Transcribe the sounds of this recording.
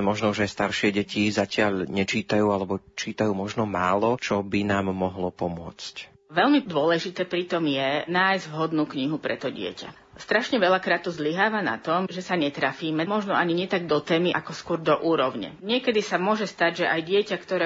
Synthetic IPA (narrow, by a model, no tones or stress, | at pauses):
mɔʒnɔuʒast̪aɾʃɪɛɟɛcizacɪaʎɲɛt͡ʃiːt̪ajuːalɛbɔt͡ʃiːt̪ajuːmɔʒnɔmaːlɔt͡ʃɔbinaːmːɔɦlɔpɔmʊɔ̰t͡sc | ʋɛʎmid̪ʊɔlɛʒit̪ɛːpɾit̪ɔmjɛnaːjzʋɦɔd̪nuːkɲiɦupɾɛt̪ɔɟɪɛ̰ca̰ | st̪ɾaʃɲɛʋɛʎakɾaːt̪uzliɦaːʋana̰t̪ɔmʒɛsaɲɛt̪ɾafiːmɛmɔʒnɔaɲiɲɛt̪aɡ̚d̪ɔt̪ɛːmiʔakɔskʊɔɾd̪ɔʔuːɾɔʊɲɛ̰ɲɪɛkɛd̪isamʊɔʒɛst̪aɟʒɛʔajɟɪɛcakt̪ɔɾɛ